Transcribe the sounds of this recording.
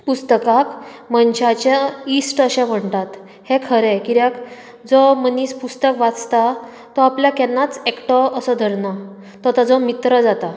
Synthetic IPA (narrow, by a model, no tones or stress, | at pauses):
pust̪əkakmənɕat͡ɕeisʈəɕɛ̃m̤əɳt̪at̪ | hekʰəɾɛkiɾjak | d͡zɔməniːspust̪əkʋat͡st̪a | t̪ɔapljakɛnːat͡sekʈɔəsɔd̪ʱəɾna | t̪ɔt̪ad͡zɔmit̪ɾəd͡zat̪a